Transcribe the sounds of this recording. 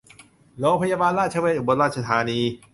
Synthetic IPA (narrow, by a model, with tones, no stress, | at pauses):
loː˧ŋpʰa˧jaː˧baː˧nɾaː˥˩t͡ɕʰa˧we˧˩ʔu˨˩bo˧nɾaː˥˩t̪̚t͡ɕʰa˧t̪ʰaː˨˦niː˧